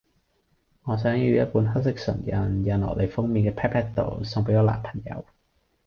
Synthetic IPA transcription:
ŋɔː˨˧s̬œː˨˥ŋjy˧jɐ˥t̚puː˨˥nɦɐ˥k̚sɪ˥k̚sɐ̰˨˩njɐ˨njɐ˨nlɔ̰˨˩lʔe˨˧jfʊ˥ŋmiː˧nkɛː˧pʰɛː˥pʰɛː˥t̚t̪o̰˨wsʊ˨ŋpe˨˥jɔː˧la̰ː˨npʰɐ̥˨˩ŋjɐ̰˨˧˥w

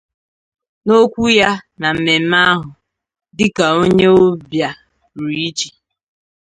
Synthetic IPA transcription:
no˦kʷu˦ja˦na˨m̩˨me˨m̩˦a˦ɦʊ˨ | dɪ˦ka˨o˦ɲe˦o˦bja˨ | ɾi˦i˦t͡ʃi̥˨

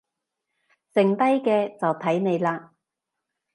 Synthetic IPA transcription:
t͡sɪ˨ŋt̪ɐ˥jkɛː˧t͡sɐ˨wt̪ʰɐ˨˥jne˨˧jlaː˧

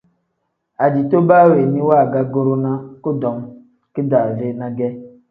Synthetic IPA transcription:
a˨di˨to˦ba˦we˨ni˦wa˦˨ɡa˦ɡo˦ɾʊ˦na˦kʊ˦dɔ˨˦ŋ˦ | kɪ˦da˨ve˦na˨ɡɛ˦

